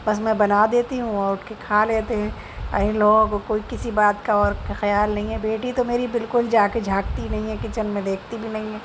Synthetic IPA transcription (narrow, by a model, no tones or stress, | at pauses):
bɐsmɛ̃bɐnad̪eːt̪iɦũɔːɾʊʈʰkekʰaːleːt̪eɦɛ̃ː | ɐ̰ɦĩloːɡõɡokoːikɪsibaːt̪kaɔːɾkxɐjaːlnɐɦĩɦɛbeːʈit̪omeːɾibɪlkʊld͡ʒaːked͡ʒʱaːkt̪inɐɦĩɦɛkɪt͡ʃənmẽd̪eːkʰt̪ibʱinɐɦĩɦɛː